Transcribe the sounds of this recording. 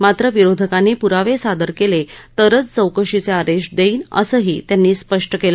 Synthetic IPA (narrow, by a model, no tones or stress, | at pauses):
mat̪ɾəʋiɾod̪ʱəkanːiːpuɾaʋesad̪əɾkelet̪əɾət͡st͡səwkəʂit͡seaɾeʂʈd̪eiːnə̰səɦiːt̪janːiːspəʂʈəkelə